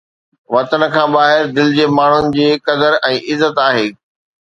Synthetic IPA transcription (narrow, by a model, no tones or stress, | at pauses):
ʋɐt̪ənə̆kʰãːbaːɦɪɾd̪ɪlɪd͡ʑeːmaːɳ̤ʊnɪ̆d͡ʑiːkɐd̪əɾɛ̃ːʔɪzːət̪aːɦeː